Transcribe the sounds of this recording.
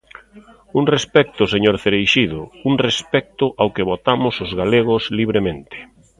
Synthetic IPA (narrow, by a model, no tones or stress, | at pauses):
uŋrespɛk̚t̪ʊseɲoɾθeɾejʃiðʊuŋrespɛk̚t̪ʊʔawkeβot̪amʊsozɣaleɣ̞ʊsliβ̞ɾemẽnt̪ɪ̥